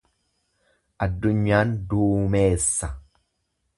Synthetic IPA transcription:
ʔɐd̪ːʊɲːaːnd̪uːme̞ːsːɐ

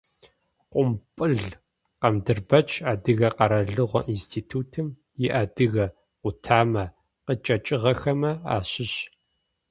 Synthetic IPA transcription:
qʷʼʊmpʼɨɮ | qɐmdɨrbɐt͡ʃʼaːdɨɣɐqɐɾɐɮɨʁʷɔʔinstʰiːtʰuːtʰɨm | jɪʔaːdɨɣɐ | ʊtʰaːmɐ | qət͡ʃʼɐt͡ʃʼɪʁɐxɐmɐa̰ːɕɪɕ

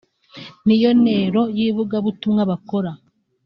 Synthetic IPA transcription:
nijo̞ne̞ɾo̞jiːβuɡaβutumŋaβako̞ɾa

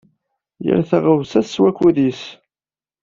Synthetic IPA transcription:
jə̰ɾθæʁəvsæswækʷːuðis

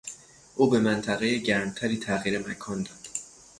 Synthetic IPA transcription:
ʔuːbe̞mænt̪ʰæɣe̞jeɟæɾmt̪ʰæɾiːt̪ʰæɣiːɾemækʰɒːnd̪ɒːd̪̥

